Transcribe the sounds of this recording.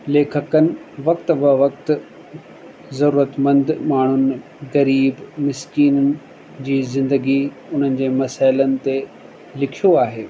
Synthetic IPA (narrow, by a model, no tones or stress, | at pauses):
leːkʰəkənɪ̆ʋɐkt̪ʋəʋɐk̚t̪ | zɐɾuːɾət̪mɐ̃nd̪maːɳ̤ʊn | ɣɐɾiːbmɪskiːnənɪ̆ | d͡ʑiːzɪ̃nd̪əɡi | ʊn̤ənɪ̆d͡ʑeːmɐsaːɪlənɪ̆t̪e | lɪkʰijoaːɦeː